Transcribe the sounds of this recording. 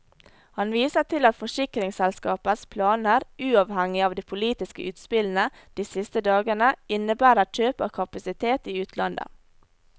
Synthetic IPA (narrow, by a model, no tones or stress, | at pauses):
hɑnʋiːsət̪ʰɪlɑt̪fɔʂɪkɾɪŋsɛlskɑːpəspʰlɑːnəɾʔʉːɑːʋhæŋɪɑːʋd̪iːpʰʊliːt̪ɪskə̰ʔʉːt̪spɪln̩ə | d̪̥iːsɪst̪əd̪ɑːɡənəɪnəbæːɾət͡ʃøːpəkʰɑpɑsɪt̪ʰeːt̪iːʉːt̪ʰlɑnd̪ə̰